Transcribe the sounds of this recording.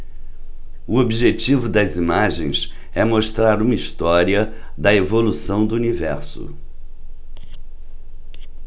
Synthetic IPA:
ʊobiʒet͡ʃivʊd̪ɐzimaʒḛ̃j̃s | ɛmoʃt̪ɾaɾũmɐist̪ɔɾiɐ | d̪ɐevolusɐ̃w̃d̪ʊunivɛ̰ɾsʊ̰

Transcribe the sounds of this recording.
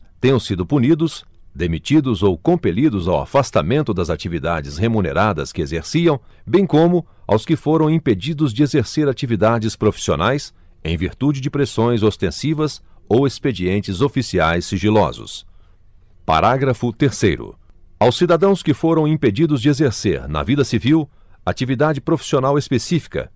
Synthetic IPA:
t̪ẽjɐ̃w̃sid̪ʊpunid̪ʊs | d̪emit͡ʃid̪ʊzowkõmpelid̪ʊzawa̰fast̪amẽnt̪ʊd̪ɐzat͡ʃivid̪ad͡ʒɪshemũnḛɾad̪ɐ̰skɪezeɾsiɐ̃w̃ | bẽj̃kõmʊ | a̰wskɪfoɾɐ̃w̃ĩped͡ʒid̪ʊzd͡ʒɪezeɾseɾat͡ʃivid̪ad͡ʒɪspɾofi̥sio̰najs | ẽj̃vḭɾt̪ud͡ʒɪd͡ʒɪpɾesõj̃zost̪ẽsivɐsowesped͡ʒiẽnt͡ʃɪzofisiajsːiʒilɔ̰zʊ̰s | pa̰ɾaɡɾɐfʊt̪eɾsejɾʊ̰ | awsːid̪ad̪ɐ̃w̃skɪfoɾɐ̃w̃ĩped͡ʒid̪ʊzd͡ʒɪezeɾsḛɾnɐ̰vid̪ɐsiviw | at͡ʃivid̪ad͡ʒɪpɾofi̥sionawespesifi̥kɐ̰

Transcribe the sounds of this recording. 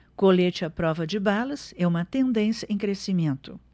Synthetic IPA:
kolet͡ʃɪɐpɾɔvɐd͡ʒɪbalɐsɛũmɐt̪ẽnd̪ẽsjɐẽj̃kɾesimẽnt̪ʊ

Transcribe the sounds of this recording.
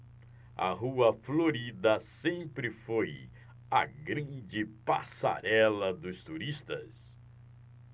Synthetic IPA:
ɐ̰ɦuɐfloɾid̪ɐsẽmpɾɪfoj | ɐ̰ɡɾɐ̃nd͡ʒɪpa̰sa̰ɾɛlɐd̪ʊst̪uɾist̪ɐ̰s

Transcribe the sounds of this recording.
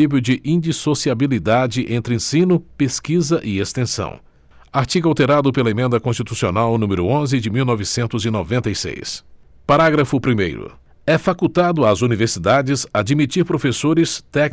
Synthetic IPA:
ipjʊd͡ʒɪʔĩd͡ʒisosiabilid̪ad͡ʒɪʔẽnt̪ɾɪẽsĩnʊpeskizɐʔɪest̪ẽsɐ̰̃w̃ | aɾt͡ʃiɡʊawt̪eɾad̪ʊpelɐemẽnd̪ɐkõst͡ʃit̪usionawnũmɪɾʊõzɪd͡ʒɪmiwnɔvɪsẽnt̪ʊzɪnovẽnt̪ejsḛjs | paɾaɡɾɐfʊpɾimḛjɾʊ̰ | ɛfakut̪ad̪ʊazuniveɾsid̪ad͡ʒɪzad͡ʒimit͡ʃiɾpɾofesoɾɪst̪ɛk

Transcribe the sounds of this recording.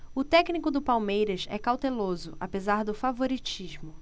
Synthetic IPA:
ʊt̪ɛknikʊd̪ʊpawmejɾɐʃɛ̰kawt̪elozʊʔapezaɾd̪ʊfavoɾit͡ʃiʒmʊ

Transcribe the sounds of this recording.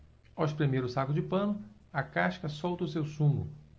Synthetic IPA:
awʃpɾemejɾʊsakʊd͡ʒɪpɐ̃nʊ | ɐkaʃkɐsɔwt̪ɐʊsewsũmʊ̰

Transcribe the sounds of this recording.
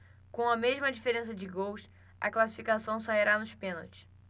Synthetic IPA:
kõw̃ɐmeʒmɐd͡ʒifeɾẽs̬ɐd͡ʒɪɡowʃ | ɐ̰klasi̥fikasɐ̃w̃saiɾanʊʃpẽno̰wt͡ʃɪ̥s

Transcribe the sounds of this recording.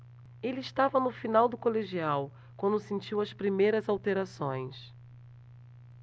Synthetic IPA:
elɪːʃt̪avɐnʊfinawd̪ʊkoleʒiaw | kwɐ̃nd̪ʊsẽnt͡ʃiwɐspɾimejɾɐzawt̪eɾasõj̃s

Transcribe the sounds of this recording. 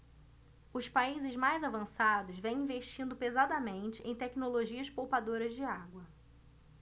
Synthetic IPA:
ʊspaizɪzmajzavɐ̃sad̪ʊzvẽj̃ĩveʃt͡ʃĩnd̪ʊpezad̪ɐmẽnt͡ʃɪʔẽj̃t̪ɛkinoloʒiɐspowpad̪oɾɐzd͡ʒɪaɡwɐ

